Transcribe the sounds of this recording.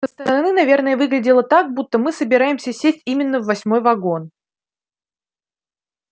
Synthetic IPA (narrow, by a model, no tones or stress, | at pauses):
səst̪əɾəɾɐnɨnɐvʲe̞rnəjəvɨɡlʲɪdʲɪlˠət̪ak̚but̪ːəmɨsəbʲɪɾajɪmsʲəsʲesʲtʲimʲɪnːəvːɐsʲmo̞jvɐɡo̞n